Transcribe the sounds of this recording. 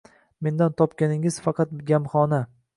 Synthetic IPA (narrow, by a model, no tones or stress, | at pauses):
me̞nd̪ant̪ʰɒpkʲanɪŋɪz̥fɑqʰɑt̪̚ɡʲamχɒna